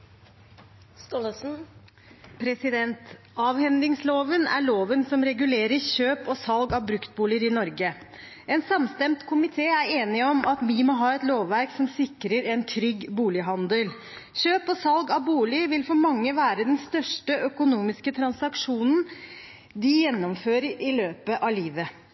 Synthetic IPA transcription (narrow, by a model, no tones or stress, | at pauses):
s | pʰɾɛsɪd̪ɛnt̪ | ɑːʋhɛnd̪ɪŋsloːʋənæ̰ɭoːʋənsɔmɾɛɡʉleːɾəçøːpɔsɑlɡɑʋbɾʉkt̪̚buːlɪəɾɪnɔɾɡə | ɛnsɑmst̪ɛmt̪kʰʊmɪt̪ʰeːæeːnɪɔmʔɑt̪ʋɪmoːɦɑːɛt̪loːʋːæɾksɔmsɪkːɾəɾɛnt̪ʰɾʏɡbuːlɪɦɑnd̪əl | çøːpɔsɑlɡɑbuːlɪʋɪlfɔɾmɑŋːəʋæːɾəd̪ɛnst̪œʂʈəʔœkʊnuːmɪskət̪ʰɾɑnsɑkʂuːnn̩ | d̪ɪjɛnːɔmføːɾəɾɪløːpəʔɑliːʋə